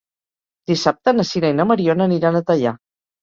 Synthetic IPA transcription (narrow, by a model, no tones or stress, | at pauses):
d̪̥isap̚t̪ənəsiɾajnəməɾionəniɾanət̪əʎa